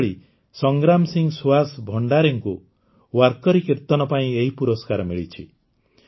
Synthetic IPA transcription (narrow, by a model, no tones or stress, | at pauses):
ɭi | sɔŋɡɾamsiŋɡsuasbʱɔɳɖaɾɔŋku | waɾkɔɾikiɾt̪ɔnɔpaĩeɦipuɾɔskaɾɔmiɭit͡ʃʰḭ